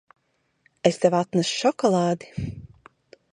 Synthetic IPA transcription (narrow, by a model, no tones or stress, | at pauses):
est̪ɛvat̪nasʃɔkɔlˠaːd̪i̥